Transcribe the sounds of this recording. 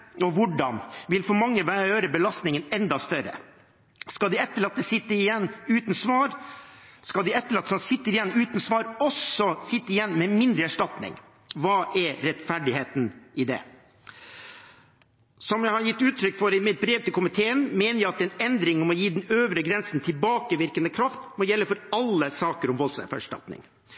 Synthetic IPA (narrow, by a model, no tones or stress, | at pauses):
ɔʋʊɖɑ̰nʋɪlfɔɾmɑŋːəʋæːɾjøːɾəbəlɑst̪nɪŋənɛnd̪ɑst̪œɾə̰ | skɑld̪ɪɛt̪ːəɭɑt̪̚ːɛsɪt̪ːəɪjɛnːʉːt̪nsʋɑːɾ | skɑd̪ɪɛt̪ːəɭɑt̪ːsɔsɪt̪ːəɾɪjɛnːʉːt̪n̩sʋɑːɾɔsɔsɪt̪ːəɪjɛnːmɛmɪnd̪ɾəæʂʈɑt̪nɪ̰ŋ | ʋɑːʔɛɾɾɛt̪fæɖɪheːt̪n̩ʔɪd̪ɛ̰ | sɔmjæɪhɑɾjɪt̪ːʉːt̪ʰɾʏkːfɔɾɪmɪt̪̚bɾeːʋt̪ɪlkʰʊmɪt̪ʰeːənmeːnəɾjæɪɑt̪ɛnɛnd̪ɾɪŋɔmɔjiːd̪ɛnøːʋɾəɡɾɛnsn̩t̪ʰɪlbɑːkəʋɪɾkənd̪əkʰɾɑft̪mɔjɛlːəfɔɾɑlːəsɑːkəɾɔmʋɔlsɔfæ̰ʂʈɑ̰t̪nɪ̰ŋ